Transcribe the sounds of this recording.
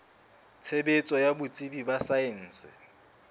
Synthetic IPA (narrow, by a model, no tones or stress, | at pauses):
t͡sʰebet͡sʼɔjabʊt͡sʼibibasaɛn̩ːsɪ̰